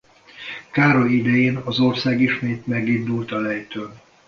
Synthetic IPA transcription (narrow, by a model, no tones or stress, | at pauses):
kaːɾojid̪ɛjeːnɒzo̞rsaːɡiʃmeːt̪mɛɡind̪ult̪ɒlɛjt̪øːn